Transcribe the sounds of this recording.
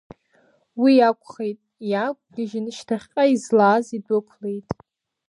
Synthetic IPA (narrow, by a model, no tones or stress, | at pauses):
wijakʷʰʼχejtʼjakʷʼɡɪʒɪnʃtʰaχʲqʼaizlaːzidɨkʷʰlejtʼ